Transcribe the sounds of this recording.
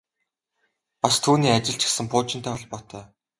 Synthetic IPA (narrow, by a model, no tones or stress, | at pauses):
past̪ʰuːniːat͡ɕɪ̆ɬt͡ɕʰɪ̥̆xsɘ̆mpʊːt͡ɕɪ̆nt̪ʰæːɮpɔt̪ʰœː